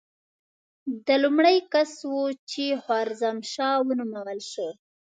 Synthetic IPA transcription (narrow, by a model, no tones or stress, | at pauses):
d̪əlumɽəjkaswut͡ʃehwɑɾzamʃɑwənumawəlʃə